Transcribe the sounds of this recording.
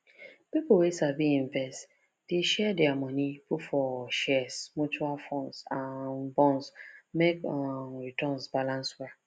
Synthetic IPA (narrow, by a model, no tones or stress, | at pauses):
pipʊwesaviĩɱvɛst | d̥eʃɛdɛamɔniputfɔʃɛsmut͡ʃualfɔ̃nsanbɔ̃nsmekɔnɹitɔnsbalãnswɛ